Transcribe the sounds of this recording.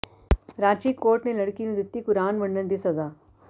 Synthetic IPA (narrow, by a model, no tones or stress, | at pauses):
ɾaːt͡ʃiːkoːɾʈnelɐɽkinũd̪ɪt̪ːikʊɾaːnʋɐɳːənd̪isɐzaː